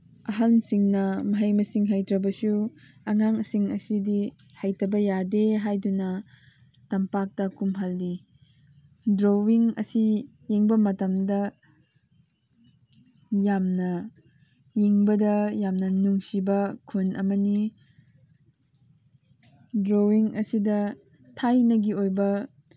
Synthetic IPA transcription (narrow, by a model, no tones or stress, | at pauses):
ɐɦansiŋnɐmɐɦɐjmɐsiŋɦajtɾɐbɐsu | ɐŋaŋɐsiŋɐsidi | hajtɐbɐjadeɦajdunɐ | tɐmpak̚tɐkumɦaldi | dɾowiŋɐ̰si | jeŋbɐmɐtɐmdɐ | jamnɐ | jeŋbɐdɐjamnɐnuŋsibɐkʰunʔɐ̰mɐni | dɾowiŋʔɐsidɐ | tʰajnɐɡiojbɐ